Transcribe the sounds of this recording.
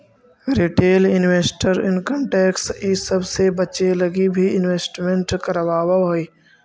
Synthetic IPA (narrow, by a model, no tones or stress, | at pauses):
ɾiʈeːlɪnweːsʈəɾɪ̰nkə̃mʈeːksiːsəbsebət͡ʃelɐɡibʱiɪnʋeːsʈmẽɳʈkəɾʋaːwaɦoiː